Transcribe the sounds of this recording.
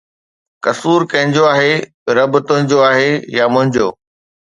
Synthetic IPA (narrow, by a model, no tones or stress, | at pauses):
kɐsuːɾkɐ̃ɦɪ̃ɲd͡ʑoaːɦe | ɾɐbʊt̪ʊ̃ɦɪ̃ɲd͡ʑoaːɦejamʊ̃ɦɪ̃ɲd͡ʑo̰ː